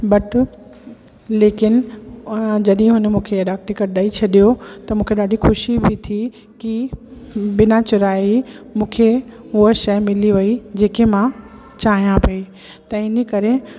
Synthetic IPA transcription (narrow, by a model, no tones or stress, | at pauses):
bɐʈ | leːkɪnɪ | d͡ʑɐɗə̃ɦʊnə̆mũːkʰeɗaːk̚ʈɪkəʈɗaːit͡ɕʰɐɗijot̪ɐmũːkʰeɗaːɖixʊʃibɪt̪ʰi | ki | bɪnat͡ɕʊɾaːi | mũːkʰe | ʊɦəʃɐjmɪliʋɐid͡ʑeːkemã | t͡ɕaːɦijãpɐi | t̪ɐɪnəkɐɾe